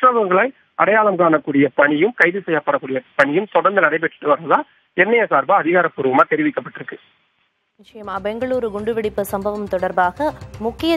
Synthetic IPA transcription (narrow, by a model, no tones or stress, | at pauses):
ʈɾɐʋɐŋɡɐɭɐɪ | ʔɐɽɐjaːlɐmkaːnɐkːuːɽɪjɐpɐɳɪjɯmkɐɪðɯsɛjːaːpːɐːɽɐkːuːɽɪjɐpɐɳɪjɯmt̪ɔɽɐɾnd̪ɐnɐɽɐɪp̬ɛʈːɯ̥ʈːɯʋɐɾɐðaː | ɛnːɐjɐsaːɾbaɐðɪɣaːɾɐpːuːɾɯʋɐmaːt̪ɛɾɪʋɪkːɐpːɐʈːɪɾɯkːɯ | nɪt͡ʃːɐjɐmaːbɛŋɡɐɭuːɾɯɡʊɳɖɯʋɪɽɪpːɯsɐmbɐʋɐmt̪ɔɽɐɾbaːɣɐmʊkːɪjɐ